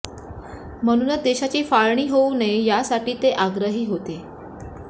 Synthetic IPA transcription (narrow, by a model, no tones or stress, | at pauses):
m̤əɽ̃uːnət͡sd̪eɕat͡ɕiːfaɭɳiːɦounejasaʈiːt̪eʔaɡɾəɦiːɦot̪e